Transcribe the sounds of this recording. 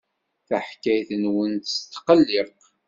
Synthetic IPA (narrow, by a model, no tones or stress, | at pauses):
θaħkːæjθənwənt̪st̪ːqəlːɪ